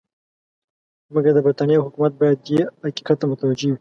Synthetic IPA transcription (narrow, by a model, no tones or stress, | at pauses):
məɡad̪əbɾit̪anjaɦʊkumat̪̚bɑjad̪jehaki̥kat̪ːamʊt̪awad͡ʒewi